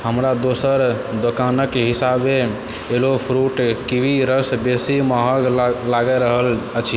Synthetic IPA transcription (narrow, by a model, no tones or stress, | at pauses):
həmɾad̪osəɾd̪okanəkeɦisabeː | lopʰɾuʈkibʱiɾəsbesimaɦəɡlaɡɛɾəɦələt͡ʃʰi